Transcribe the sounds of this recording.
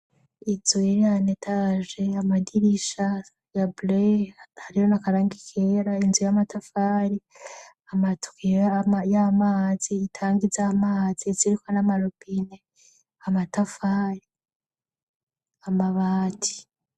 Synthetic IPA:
izoeɾianetʰaʒe̞amadiɾiʃa | jabulehaɾijonakaɾaːŋɡikʰeːɾainzujamatafaːɾi | amatʰu̥kijmajamaːziːtʰaːŋɡizamaz̥iziɾikʰonamaɾobine | amatafaːɾi | amaβaːtʰi̥

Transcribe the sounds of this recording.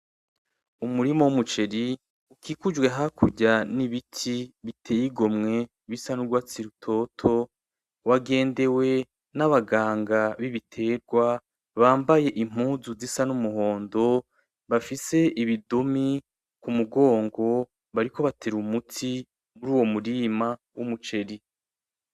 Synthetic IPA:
umuɾimowumut͡ʃe̞ɾi | ukʰiːkud͡ʒwe̞ɦakʰuɟaniβitʰiβitʰe̞jiɡo̞mŋe̞ | βisanuɾɡwaːt͡siɾutʰo̞ːtʰo̞ | waɡe̞ːnde̞we̞ | naβaɡaːŋɡaβiβitʰe̞ːɾɡwa | βaːmbaje̞ʔim̥uːzuzisanumuɦo̞ːndo̞ | βafise̞ʔiβidomi | kumuɡo̞ːŋɡo̞ | βaɾiko̞βatʰeɾumutʰi | muɾuːwo̞muɾima | wumut͡ʃe̞ɾi

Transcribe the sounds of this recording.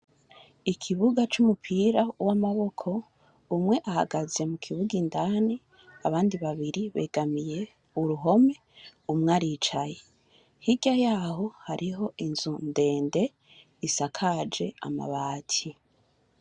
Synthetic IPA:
ikʰiβuɡat͡ʃumupʰiɾauwamaβo̞kʰo̞ | umŋwe̞ʔahaɡaze̞mukʰiβuɡindani | aβaːndiβaβiɾiβe̞̰ɡamije̞ | uɾuɦo̞me̞ | umŋaɾiːt͡ʃaje | hiɟajaːɦo̞haɾʔiɦo̞ʔinzunde̞ːnde̞ | isakʰad͡ʒe̞a̰ma̰βaːtʰi

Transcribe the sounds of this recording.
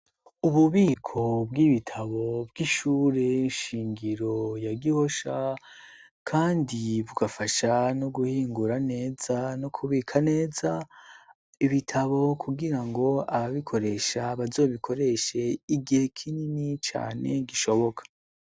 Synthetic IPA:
uβuβiːkʰo̞bɡiβitʰaβo̞bɡiʃuːɾe̞ʃiːŋɡiɾo̞jaɡiho̞ʃa | kʰaːndiβuɡafaʃanoɡuhiːŋɡuɾane̞ːzanokʰuβiːkʰane̞ːza | iβitʰaβo̞kʰuɡiɾaŋɡo̞aβaβikʰo̞ɾe̞ʃaβazo̞ːβikʰo̞ɾe̞ʃe̞iɡihe̞kʰininit͡ʃa̰ːne̞ɡiʃo̞βo̞kʰḁ

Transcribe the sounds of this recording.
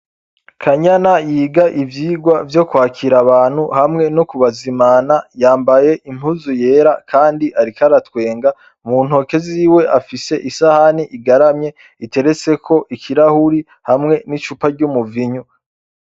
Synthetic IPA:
kʰaɲanajiːɡaʔivjiːɡwavjo̞kwaːkiɾaβaːn̥huhamŋe̞nokuβazimaːnajaːmbaje̞ʔim̥uzuje̞ːɾakʰaːndiʔaɾikaɾatwe̞ːŋɡa | muːn̥ho̞ke̞ziːwe̞ʔafise̞ʔisahaniʔiɡaɾamɲe̞ | ite̞ɾe̞t͡se̞kʰo̞ʔikʰiɾahuɾi | hamŋe̞nit͡ʃupaɾɟumuviɲu

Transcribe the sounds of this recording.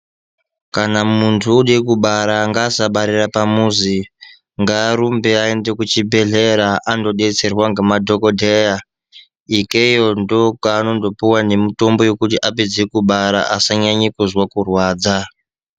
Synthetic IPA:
kanamuntʰuːɗekuɓaɾaŋɡaːsaɓaɾirapamuzi | ŋɡaːɾumbeaendekut͡ʃibʱe̞ɮe̞ɾaʔando̞ɗe̞t͡se̞rwaŋɡemadʱo̞kodʱeja | ikeijo̞ndokaːno̞ndo̞puwane̞mito̞mbo̞jo̞kutiʔaped͡zikuɓaɾa̰ʔasaɲaɲikuzwakurwaːd͡za

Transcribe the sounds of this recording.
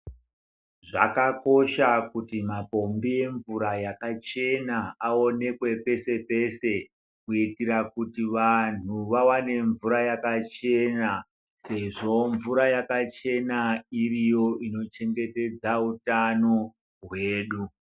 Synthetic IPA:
ʐa̰kako̞ʃakutimapo̞mbie̞ɱvuɾajakat͡ʃe̞naao̞ne̞kwe̞pe̞se̞pe̞se̞ | kuitirakutiʋan̤uʋawane̞ɱvuɾajakat͡ʃe̞na | se̞ʐo̞ɱvuɾajakat͡ʃe̞nairijo̞ino̞t͡ʃe̞ŋɡe̞te̞d͡zautano̞ | ɦwe̞ːɗu

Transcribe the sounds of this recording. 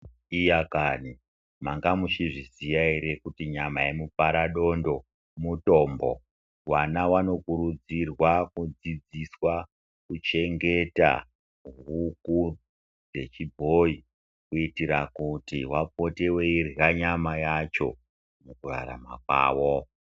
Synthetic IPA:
ijakani | maŋɡamut͡ʃiʐizijaiɾe̞kutiɲamaemupaɾaɗo̞ndo̞ | muto̞ːmbo̞̰ | wanawano̞kuɾud͡zirwakud͡zid͡ziswa | kut͡ʃe̞ŋɡe̞ta̰ | ɦuku | d͡ze̞t͡ʃibʱoi | kuitiɾakutiwapo̞te̞we̞irraɲamajat͡ʃo̞̰ | nokura̰ɾa̰ma̰kwa̰ːwo

